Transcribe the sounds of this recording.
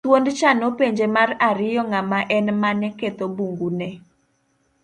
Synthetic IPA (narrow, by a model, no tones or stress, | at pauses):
twondt͡ʃanopeɲd͡ʒemaraɾɪjɔŋamaʔɛnmanɛket̪obuŋɡunɛ